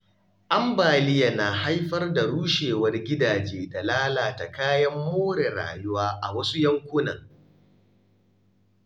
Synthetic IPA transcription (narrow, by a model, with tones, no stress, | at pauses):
ʔa˦mbaː˨lɪ˦ja˨na˨ɦa˦jɸɐ˦rda˨ɽuː˦ʃeː˨wɐ˦rɡʲɪ˦daː˨d͡ʒeː˦da˨laː˦laː˨ta˨kaː˦jɐ˦mːoː˦ɽe˨ɾa̰ː˨jʊ˦waː˦ʔa˨wɐ˦su˦jɐ˦ŋkʷʊ˦nɐ̰˨ŋ